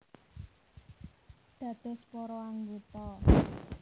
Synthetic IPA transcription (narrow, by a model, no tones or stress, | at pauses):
d̪̥ä̤d̪̥e̤spɔɾɔaŋɡut̪ɔ